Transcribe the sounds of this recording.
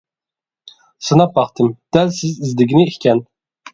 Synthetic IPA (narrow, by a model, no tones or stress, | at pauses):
sɨnɑp̚bɑχt̪ʰɨmd̪̥ɛlsɪzizd̪ɪɡʲinɪihkʲɛn